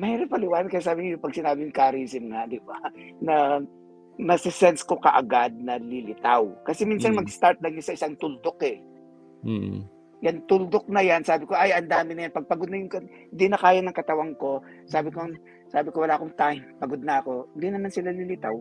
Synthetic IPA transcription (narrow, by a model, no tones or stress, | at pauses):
mɐhɛːɾɐpɐlɪwaːnɐd̪kɐjasaːbɪŋɐjʊpɐɡsɪnaːbɪjʊŋkaɾisɪmŋad̪ɪbanɐ | mɐsɪsɛnsko̞kɐ̰ʔɐ̰ɡad̪̚nɐlɪlɪt̪awkɐsɛminsɐnmɐɡ̚st̪aɾt̪̚lɐŋɲasɐʔɪsaŋt̪ʊld̪okɛ | jant̪ʊld̪ok̚nɐjansaːbɪkoʔɐjʔɐnd̪aːmɪnɐjanpɐɡ̚pɐɡod̪nɐjʊŋkɐ | nd̪inɐkaːjanɐŋkɐt̪ɐwɐŋko̞ | saːbɪko | saːbɪkowɐlaːkoŋt̪ajmpɐɡod̪̚nɐʔɐko̞ɪnd̪inɐmansɪlalɪlɪt̪aw